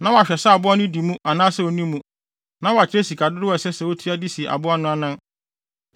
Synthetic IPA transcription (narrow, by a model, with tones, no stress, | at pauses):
nã˦wɔ˨a˨ɕᶣɛ˨sa˦a˨bʊ˦a˦nʊ̃˦di˨mũ˦ʔa˨nãː˦sɛ˦˨wo˦nĩ˦mũ˦ | nã˦wa˨t͡ɕʰɪ˦ɾe˦si˨kʰa˨dʊ˦ɾɪ˦ɛ˨sɛ˦sɛ˨wo˦tʰi˦a˦di˦si˨e˨ʔa̰˨bʊ˦a˦nʊ̃˦a˦nã˦n